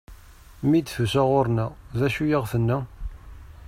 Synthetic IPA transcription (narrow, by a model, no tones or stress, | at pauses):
mid̪θusæʁoɾnæðæʃujəʁθənːæ